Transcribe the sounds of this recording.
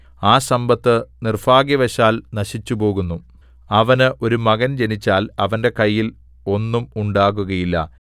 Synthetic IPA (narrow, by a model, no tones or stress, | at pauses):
aːsɐmbɐt̪ːɨnirfaːɡjɐʋɐɕaːlnɐɕit͡ɕːubo̞ːɣunːu | ɐʋɐnɨʔo̞ɾumɐɣɐnd͡ʑe̞nit͡ɕːaːlɐ̰ʋɐnde̞kɐjːil | o̞nːumuɳɖaːɣuɣɐjilːɐ̰